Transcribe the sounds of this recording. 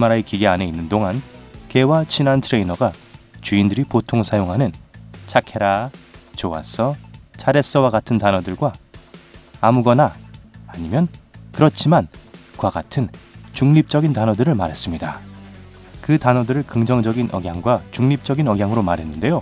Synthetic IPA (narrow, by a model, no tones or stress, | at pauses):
imaɾaekiɡeane̞inːɯndoŋanke̞wat͡ɕʰinantʰɯɾe̞inʌɡat͡ɕuindɯɾipotʰoŋsʰajoŋɦanɯnt͡ɕʰakʰe̞ɾat͡ɕoa̰s͈ʌt͡ɕʰaɾe̞s͈ʌwaɡatʰɯntanʌdɯɭɡwaː | muɡʌnaː | ɲimjʌnkɯɾʌt͡ɕʰimankwaɡatʰɯnt͡ɕuŋɲip̚t͡ɕ͈ʌɡintanʌdɯɾɯɭmaɾɦe̞s͈ɯmɲida | kɯtanʌdɯɾɯɭkɯŋd͡ʑʌŋd͡ʑʌɡinʔʌ̰ɡjaŋɡwat͡ɕuŋɲip̚t͡ɕ͈ʌɡinʌɡjaŋɯɾomaɾɦe̞nːɯnde̞jo